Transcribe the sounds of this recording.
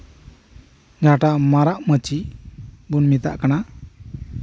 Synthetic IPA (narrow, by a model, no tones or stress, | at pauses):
d͡ʒaʈamaɾaʔmət͡ʃi | bunmit̪a̰ʔkana